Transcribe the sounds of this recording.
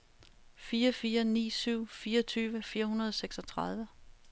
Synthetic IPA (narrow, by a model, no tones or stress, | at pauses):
fiːɐfiːɐnḭːsyʊ̰fiːɐʌt͡sʰyːʋəfiːɐhunɐð̞ˠseɡ̥sɒ̽t͡sʰʁɑð̞ˠʋə